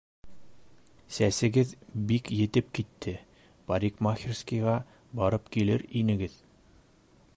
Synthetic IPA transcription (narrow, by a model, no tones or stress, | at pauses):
sæsɘ̆ɡɘðbikjɘ̆t̪ɘp̚kit̪ʰːɘ | paɾʲikmaxʲirskijʁɑ | bɑɾɤpkilɘɾinɘ̆ɡɘð